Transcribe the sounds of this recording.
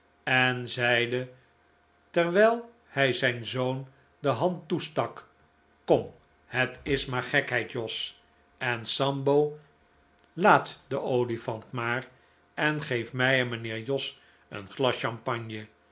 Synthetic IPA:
ɛnzɛjdə | tɛɹʋɛjlˠ | hɛjzɛjnzown | dəɦɑntustɑk | kɔm | ɦətɪsmaːɹχɛkɦɛjtjɔs | ɛnsɑmbow | laːtdəʔowlifɑntmaːɹ | ʔɛnχejfmɛjɛnmənɪːɹjɔs | ə̰nχlɑsɑmpɑɲjə

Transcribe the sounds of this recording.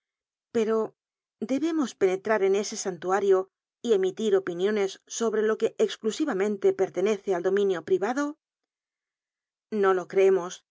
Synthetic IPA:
pe̞ɾo̞ | d̪e̞βe̞mo̞spe̞ne̞t̪ɾaɾe̞ne̞se̞sant̪uaɾjo̞ | ie̞mit̪iɾo̞pinjo̞nesːo̞βɾe̞lo̞ke̞ʔːksklusiβamẽ̞nt̪e̞pe̞ɾt̪e̞ne̞θeald̪o̞mĩnjo̞pɾiβaðo̞ | nolo̞kɾeemos

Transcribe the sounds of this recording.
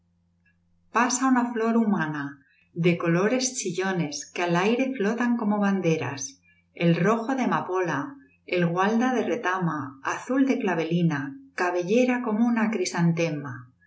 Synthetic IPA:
pasaunaflo̞ɾumãna | ðe̞ko̞lo̞ɾe̞st͡ʃiʎo̞ne̞skealajɾe̞flo̞t̪aŋko̞mo̞βand̪e̞ɾa̰s | e̞lro̞xo̞ðe̞mapo̞la | elɣwald̪aðe̞re̞t̪amaaθuld̪e̞klaβe̞linakaβe̞ʎe̞ɾako̞mounakɾisant̪e̞ma

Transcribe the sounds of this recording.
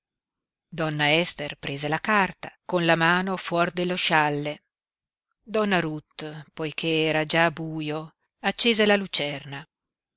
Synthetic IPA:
d̪ɔnːaɛst̪erpɾʔeːzelakart̪akonlamaːnofwɔrd̪elːoʃalːe | d̪ɔnːaɾut̪pojk̟ʰeɛːɾad͡ʒabuːjo | at͡ʃːeːzelalut͡ʃɛrna

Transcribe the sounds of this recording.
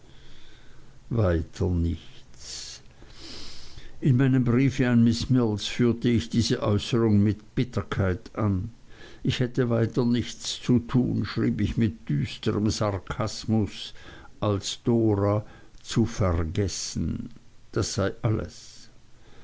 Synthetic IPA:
vaɪtʰənɪçt͡s | ʔɪnmaɪnəmbʁiːfəanmɪsmɪlsfyːɐtəɪçd̥iːzəʔɔ̰ʏsəʁʊŋmɪtb̥ɪtʰɐkʰaɪtʔan | ʔɪçhɛtəvaɪtɐnɪçt͡st͡sutʰṵːnʃʁ̥iːbɪçmɪt̚d̥yːstəʁəmzaʁkʰasmʊsʔalsd̥oːʁat͡sufɛʁɡɛsn̩d̥asz̥aɪʔalə̰s

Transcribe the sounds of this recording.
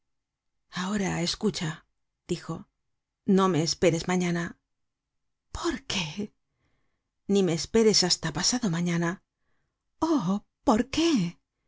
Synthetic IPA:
ao̞ɾae̞skut͡ʃa | d̪̥ixo̞ | no̞me̞ːspe̞ɾe̞zmaɲana | pʰo̞ɾke | nime̞ːspe̞ɾe̞sast̪apasaðo̞maɲana | o | po̞ɾke

